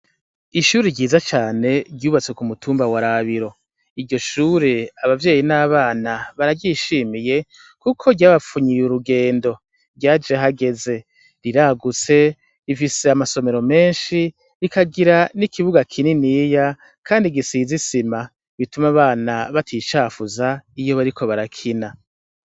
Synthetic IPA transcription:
iʃuːɾeɟiːzat͡ʃaːne̞ɾɟjuːβat͡sekumutʰuːmbawaɾaβiɾo̞ | iɾɟo̞ʃuːɾeaβavje̞ːjinaːβaːnaβaɾaɟiʃiːmije̞ | kukʰo̞ɟaːβafuɲijuɾuɡe̞ːndo̞ | ɟaːd͡ʒeɦaɡe̞ze̞ | ɾiɾaɡut͡se̞ | ifise̞amaso̞me̞ɾo̞me̞ːnʃi | ikʰaɡiɾanikʰiβuɡakʰininiːja | kʰaːndiɡisizisima | βitumaβaːnaβatʰit͡ʃaːfuzaijo̞βaɾikʰo̞βaɾakʰina

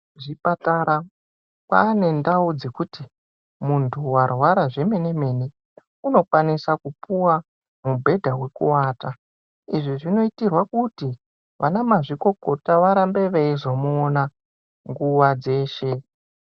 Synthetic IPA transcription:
ʐipataɾa | kwa̰ːne̞ndaud͡zekuti | muntʰuwarwaɾaʐe̞me̞ne̞me̞ni | uno̞kwanisakupuwa | mubʱe̞dʱawe̞kuwaːta | iʐiʐino̞itirwakuti | ʋanamaʐiko̞ko̞taʋaɾambe̞ʋeizomuona | ŋɡuʋad͡ze̞ːʃe̞

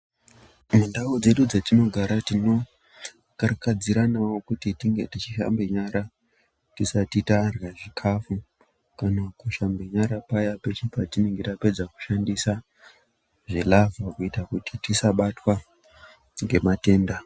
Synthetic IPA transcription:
mundaod͡ze̞ɗud͡zatino̞ɡʱaɾatino̞ | karakad͡ziɾanawo̞kutitiŋɡe̞̰tit͡ʃiʃa̰mbeɲaɾa | tisatitarɣaʐikʰafu | kanakuʃambeɲaɾapajapet͡ʃipatine̞ŋɡetape̞d͡zaku̥ʃandisa | ʐelavakuitakutitisaɓatwa | ŋɡe̞mate̞ːnda

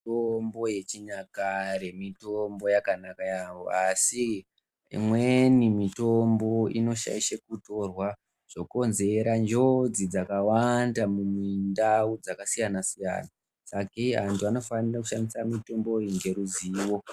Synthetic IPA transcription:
ombo̞je̞t͡ʃiɲakaɾe̞mitombo̞jakanakajawo̞̰asi | mwe̞nimito̞mbo̞ino̞ʃa̰iʃekuto̞rwa | ʐ̥o̞ko̞nze̞ɾand͡ʒo̞d͡zid͡zakawandamumindaud͡zakasijanasija̰ːna | sakeantuano̞fanirakuʃandisamito̞mbo̞iŋɡe̞ɾuziːwo̞

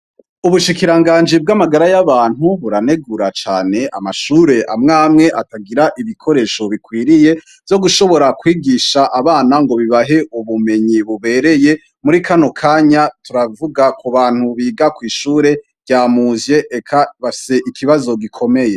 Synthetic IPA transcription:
uβuʃikiɾaŋɡaːnd͡ʒib̚ɡamaɡaɾajaβaːn̥huβuɾane̞ɡuɾat͡ʃaːne̞ʔa̰maʃuːɾe̞ʔa̰mŋaːmŋe̞ʔataɡiɾaʔiβikʰo̞ɾe̞ʃoβikwiːɾije̞ | vjo̞ɡuʃo̞βo̞ɾakwiːɡiːʃaʔaβaːnaŋɡo̞βiβaɦe̞ʔuβume̞ɲiβuβe̞ːɾe̞je̞ | muɾikʰanokʰaːɲatuɾavuɡakʰuβaːn̥huβiːɡakwiːʃuːɾe̞̥ | ɟaːmuːzje̞ʔekʰaβafi̥se̞ʔikʰiβazo̞ɡikʰo̞me̞je̞

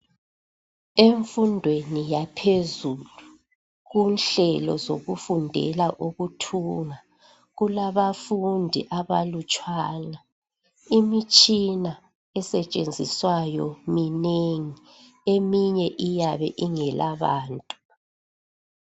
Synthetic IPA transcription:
eɱfundʱwenijapʰezulu | ɣunɬɛlɔ̰zo̰ɣufundʱɛ̰laʔuɣutʰuŋa | ɣulaβafundʱḭʔaβalut͡ʃʼwaːna | imit͡ʃʼina | ɛsɛt͡ʃʼend͡zʱiswajɔmineŋi | emiɲɛʔijaβɛ̰ʔiŋɛlʔaβaːntʼu

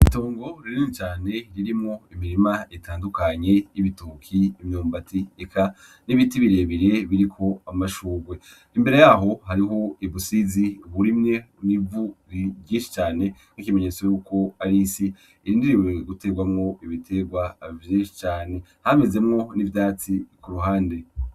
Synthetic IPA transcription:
ito̞ːŋɡo̞ɾiɾinit͡ʃaːne̞ɾiɾimŋo̞imiɾimaetʰaːndukaɲe̞jiβitukʰiimɲoːmbatiekʰa | niβiːtiβiɾe̞ːβiɾe̞βiɾikʰo̞amaʃuːɡwe̞ | imbe̞ɾe̞jaɦo̞haɾiɦo̞iβusiziuβuɾimɲe̞ | nivuɾiɟĩːnʃi̥t͡ʃaːne̞ | ŋ̥ikime̞ɲe̞t͡so̞juːko̞aɾisi | iɾiːndiɾiwe̞ɡute̞ːɡwamŋo̞iβitʰe̞ɡwavjiʃi̥t͡ʃaːne̞ | hameze̞mŋo̞nivjdaːt͡sikuɾuɦaːnde̞

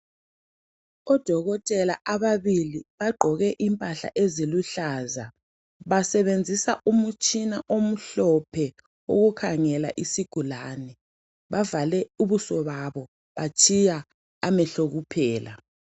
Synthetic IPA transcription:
ɔd̥ʱɔɣɔtʼɛlaʔaβaβiliβaɡ͡ǃʱɔɣɛʔimpʼaɬa̰ʔeziluɬaːza | βasɛβend͡zʱisaʔumut͡ʃʼinaʔom̩ɬɔpʰɛ | o̰ɣukʰaŋɛla̰ʔisiɡ̥ʱulanɛ | βavalɛuβusɔβaβɔ | βat͡ʃʰʼijaː | mɛɬoɣupʰɛːla

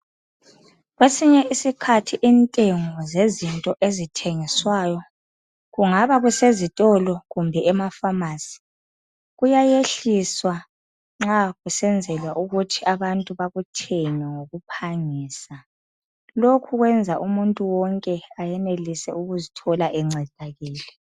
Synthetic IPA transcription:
ɣwesiɲɛisikʰatʰiʔintʼeŋɔzezintʼɔʔezitʰeŋiswajɔ | ɣuŋaβaɣusezitʼɔlɔɣumbʱɛɛmafamaːsi̥ | ɣujajeɬiswa | ŋ͡ǁaɣusɛnd͡zʱɛlwaʔuɣutʰiʔaβantʼuβaɣutʰeɲɛŋoɣupʰaŋiːsa | lokʰuɣwɛnd͡zʱaʔumuntʼuwɔŋkʼɛajɛnelisɛ̰uɣuzitʰɔlaʔɛŋ͡ǀʱɛd̥ʱaɣiːlɛ

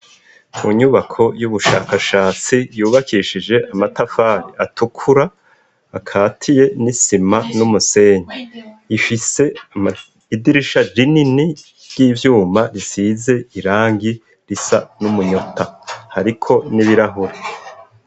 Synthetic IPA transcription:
uɲuβakʰo̞juβuʃaːkaʃaːt͡sijuːβakʰiʃid͡ʒe̞ʔamatafaːɾiatukʰuɾaː | kʰaːtʰije̞nisimanumuse̞ːɲeifise̞ | idiɾiʃad͡ʒinini | ɾɟiːvjuːmaɾisize̞iɾaːŋɡi | ɾisa̰numuɲo̞tahaɾikʰo̞niβiɾaɦuɾe

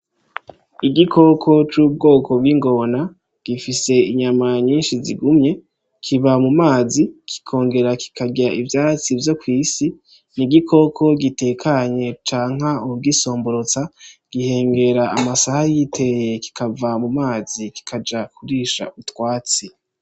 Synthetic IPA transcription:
iɡikʰo̞kʰo̞t͡ʃuːb̚ɡo̞ːkʰo̞b̚ɡiŋɡo̞na | ɡ̥ifise̞iɲamaɲiːnʃiziɡumɲe̞ | kʰiβamumaːzikʰi̥kʰo̞ːŋɡe̞ɾaki̥kʰaɡaʔivjaːt͡sivjo̞kwiːsi | niɡikʰo̞kʰo̞ɡite̞kʰaɲe̞t͡ʃaːŋɦaubɡiso̞ːmbo̞ɾot͡saɡ̥ihe̞ːŋɡe̞ɾaʔamasahajitʰe̞je̞ki̥kavamumaːziki̥kʰad͡ʒakʰuɾiːʃa̰utwaːt͡si

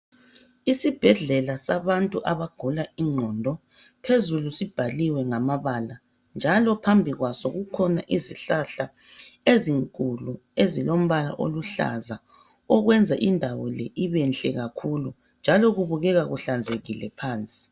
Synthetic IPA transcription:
isib̥ʱɛɮɛlasaβantʼuʔaβaɡ̥ʱulaiŋ͡ǀʱɔːndʱɔ | pʰezulusib̥ʱaliwɛŋamaβala | nd͡ʒʱalɔpʰambʱiɣwasɔɣukʰɔna̰ʔiziɬaɬa | eziŋkʼuluezilom̩βala̰ʔoluɬa̰za | ɔɣwɛnd͡zʱaʔindʱawɔlɛʔiβɛnɬʼɛɣakʰulu | nd͡ʒʱalɔɣuβuɣɛɣaɣuɬand͡zʱeɣilɛ̰pʰaːnt͡sʼi̥

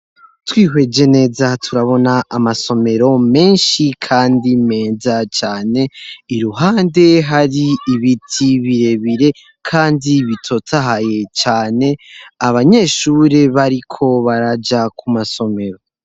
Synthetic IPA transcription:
twiːɦwe̞d͡ʒe̞ne̞ːzatʰuɾaβo̞naːmaso̞me̞ɾo̞me̞ːnʃikʰaːndime̞ːzat͡ʃaːne̞iɾuɦaːnde̞ɦaɾiːβitʰiβiɾe̞βiɾe̞ | kʰaːndiβitʰo̞taɦaje̞t͡ʃaːne̞aβaɲe̞ːʃuːɾe̞βaɾikʰo̞βaɾad͡ʒakʰumaso̞me̞ɾo̞

